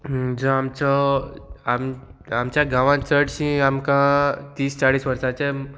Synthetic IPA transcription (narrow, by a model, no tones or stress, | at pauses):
d͡zɔ̃amt͡sɔ | amamt͡ɕjaɡãʋãt͡səʈɕĩamkãt̪iːst͡saɽiːsʋəɾsat͡se